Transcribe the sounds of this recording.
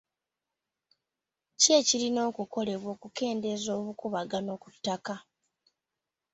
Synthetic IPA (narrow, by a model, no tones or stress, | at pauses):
ce̞cilino̞ːkuko̞le̞βwo̞ːkuke̞ːnde̞zo̞ːβukuβaɡano̞ːku̥tːaka